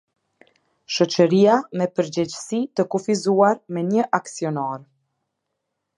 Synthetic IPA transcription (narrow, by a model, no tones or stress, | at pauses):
ʃɔt͡ɕəɾiamɛpəɾd͡ʑɛd͡ʑsit̪əkufizuaɾmɛɲəʔaksiɔnaɾ